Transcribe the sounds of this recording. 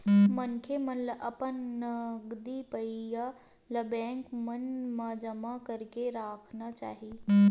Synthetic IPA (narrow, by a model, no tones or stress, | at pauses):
mənkʰemənləʔɐpənnɐɡd̪ipəija | ləbẽːŋkmənmad͡ʒəmakɐɾkeɾaːkʰnat͡ʃa̰ːɦi